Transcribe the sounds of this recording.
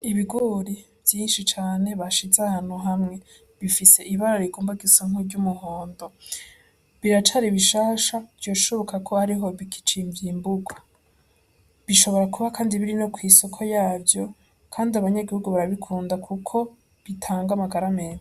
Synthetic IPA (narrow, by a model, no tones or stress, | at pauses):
iβiɡoɾi | vjiːnʃit͡ʃaːne̞βaʃizahaːn̥huɦamŋe̞ | βifise̞ʔiβaɾaɾiɡoːmbaɡisoŋ̥uɟumuhoːndo̞ | βiɾat͡ʃaɾiβiʃaːʃavjo̞ːʃoβokakʰo̞haɾiɦo̞βiki̥t͡ʃiɱvjimbuɡwa | βiʃo̞βo̞ɾakuβakʰaːndiβiɾino̞kwiːso̞kʰo̞jaːvjo̞ | kʰaːndiaβaɲaɡihuɡuβaɾaβikʰuːndakʰukʰo̞ | βitʰaːŋɡamaɡaɾameːne